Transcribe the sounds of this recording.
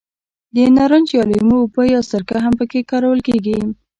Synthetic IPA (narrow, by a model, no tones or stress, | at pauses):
d̪ənɑɾand͡ʒjɑlimopəjɑwst̪əɾkaɦampəkekɑɾawəlkeɡi